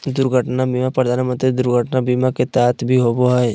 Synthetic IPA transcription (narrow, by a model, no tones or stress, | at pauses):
d̪ʊɾɡʱəʈnabiːmapəɾd̪ʱaːnmə̃nt̪ɾid̪ʊɾɡʱəʈnabiːmaket̪aːt̪ʰbʱiɦoboɦɛ